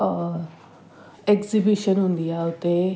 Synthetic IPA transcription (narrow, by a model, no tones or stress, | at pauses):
ɛkzibiʃənɦʊ̃nd̪ijaːʊt̪eː